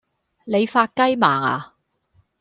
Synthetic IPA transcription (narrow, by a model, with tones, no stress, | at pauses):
ne˨˧jfaː˧t̚kɐ˥jmaː˨˩ŋa̰ː˨˩